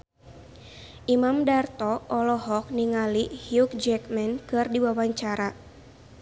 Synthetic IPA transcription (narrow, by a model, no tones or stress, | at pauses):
ʔimamdart̪ɔʔɔlɔɦɔk̚niŋalihjuk̚d͡ʒɛkmɛnkɨrdiwawaɲt͡ʃaɾa